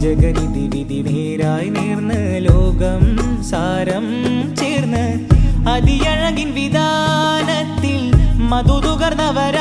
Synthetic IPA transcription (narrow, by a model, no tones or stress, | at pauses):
d͡ʒɐɡɐnid̪iʋid̪ineːɾaːjneːrnɨ | loːɡɐmsaːɾɐmt͡ɕeːɾnːɨ | ɐd̪ijɐɻɐɡinʋid̪ʱaːnɐt̪ːilmɐd̪ud̪uɣɐɾnɐʋɐɾa